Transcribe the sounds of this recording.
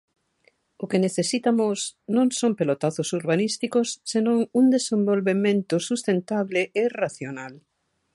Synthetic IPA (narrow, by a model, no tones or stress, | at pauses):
ʊkeneθesit̪amʊsnõŋsõmpelot̪aθʊsuɾβanist̪ikʊsːenõŋuŋd̪esẽmbolβemẽnt̪ʊsust̪ent̪aβ̞lɪʔeraθjonal